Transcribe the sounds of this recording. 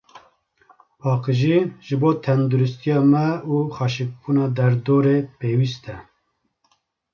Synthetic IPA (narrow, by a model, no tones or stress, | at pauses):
pʰɑːqɨʒiʒɨboːt̪ʰɛnd̪uɾust̪ijɑːmɛuːxɑːʃɨk̚bunɑːd̪ɛɾd̪oːɾeːpeːwist̪ɛ